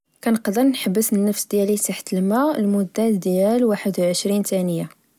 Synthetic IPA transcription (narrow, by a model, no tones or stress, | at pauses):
kænəqd̪əɾnħəbːəsənːəfsd̪jælit̪aħə̥t̪əlmælmʊd̪ːæd̪jælwaħəd̪wʕəʃɾint̪ænəja